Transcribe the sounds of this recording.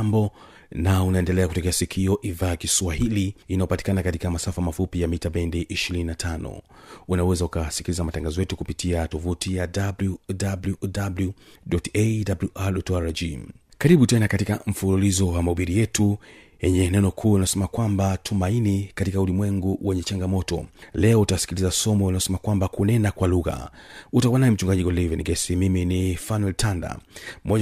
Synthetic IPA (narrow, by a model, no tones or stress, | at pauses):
mbɔ | naunaɛndɛlɛakutɔkɛasikʰiɔʔiðakiswahiliːnajɔpati̥kanakatikamasafamafupijamitaɓɛndiʔiʃiɾininatʰanɔ̰unawɛzaukasi̥kilizamataŋɡazɔjɛtukupitiatɔvutijadabljudabludabludɔtedabluʔaɗɔtaɾad͡ʒikaɾiɓutɛnakatikam̩fululizɔwamauɓiɾijɛtujɛɲɛnɛnɔkʰuːinasɛmakwambatʰumainikatikaulimwɛŋɡuwʔɛɲɛt͡ʃaŋɡamɔtɔ̰lɛɔutawsi̥kilizasɔmɔinaɔsɛmakwambakunɛnakwaluɣa̰utakwanaɛm̩t͡ʃuŋɡaʄiɡɔlivɛnɡɛsimiminifanwɛltʰanda̰mɔ